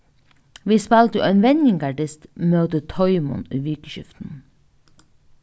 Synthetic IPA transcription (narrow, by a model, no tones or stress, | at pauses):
ʋiːspɑlt̪əʔɛːnʋɛnjɪŋɡɑɖɪst̪mœːt̪ət̪ʰɔʏmʊ̰nyːʋiːkəʃʏ̰ft̪n̩